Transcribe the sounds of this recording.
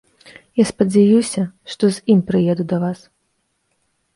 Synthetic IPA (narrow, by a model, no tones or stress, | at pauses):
jaspɐd͡zʲajusʲɐʂt̪ɔzʲimpɾɨjɛd̪ud̪ɐvas